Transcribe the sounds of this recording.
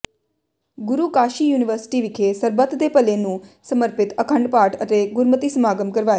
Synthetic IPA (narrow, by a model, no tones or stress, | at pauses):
ɡʊɾukaːʃijuːniʋəɾsɪ̥ʈiʋikʰesəɾbət̪d̪epəlenũsəməɾpɪt̪əkʰəɳɖpaʈʰət̪eɡʊɾmət̪isəmaɡəmkəɾʋae